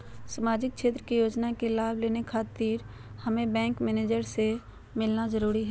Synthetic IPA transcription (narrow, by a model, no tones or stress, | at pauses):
səmaːd͡ʒɪk̚ʃeːt̪ɾəkijoːd͡ʒnakelaːbleːnekʰaːt̪iːɾ | hɐmẽbɛ̃ːŋkmɛːneːd͡ʒəɾse | mɪlnazəɾuːɾiɦɛː